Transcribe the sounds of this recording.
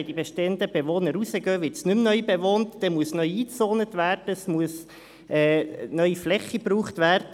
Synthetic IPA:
d̥ibeʃtɛnd̪əbeʋoːnəɾusəɡœːʋɪtsnʉmnœʏbeʋoːnt̪d̥ɛmuəsnœʏiːt͡soːnət̪ʋæːrd̥əsmuəs | ɛːnœʏiflɛχibruːχt̪ʋæːrdə

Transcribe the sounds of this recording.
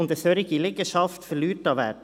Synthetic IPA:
ʊnd̪əsøɾɪɡilɪɡəʃɑft̪fɛlyːtːɑːʋɛ̰ː

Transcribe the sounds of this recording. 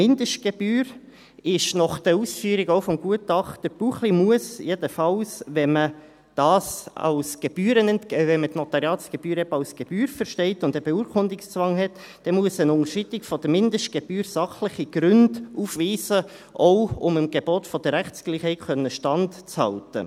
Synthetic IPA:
mɪndəʃt̚ɡ̥eb̥yːɾ | ɪʃnɔχd̥əuːsfyːɾiɡɔʊfɔmɡ̥uətɑχtdəɾb̥uχlimuəsjedəfɑlsʋɛmə | d̥ɑːsɑ̰ʊsɡ̥eb̥yːɾənɛntʋɛnmətnɔt̪ɑɾjɑːtsɡ̥eb̥yːɾɛbɑʊsɡ̥eb̥yːɾfəɾʃtɛɪtʊndəbeuːəɾkʰʊndɪkst͡sʋɑŋɦɛt | d̥ɛmuəsənʊŋəʃitikfɔdəmɪndəʃt̚ɡ̥eb̥yːɾsɑχləχiɡ̥ɾʏndufʋiːsə | ʔɔʊʊməmɡ̥eboːtfɔd̥əɾæχsɡ̥liːχhɛɪtkʰœnːəʃtɑntt͡shɑ̰ltə̰

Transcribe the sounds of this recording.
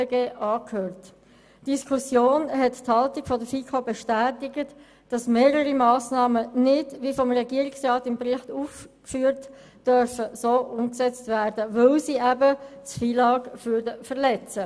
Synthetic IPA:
ɡeːʔɑːkhøːʁt | d̥iskʰusjoːnɦɛtthɑltiɡ̥fɔdəfiːkʰobɛʃtæːtɪɡət | d̥ɑsmeːɾəɾimɑːsnɑːmənɪdʋifɔmʁɛɡiəɾiksʁɑːtɪmprɪχtuːfkfyːɾt | d̥œɾfəsoːʔʊmksɛt͡stvæːɾdəʋɵlsiːæbət͡sfiːlɑːɡfyɾdəfəʁlɛt͡sə

